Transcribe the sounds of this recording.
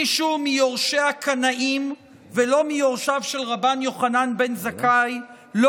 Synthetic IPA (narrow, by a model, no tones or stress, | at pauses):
iʃumijo̞ʁʃeakʰanaʔim | velo̞mijo̞ʁʃavʃelʁabanjo̞χananbe̞nzakaj | lo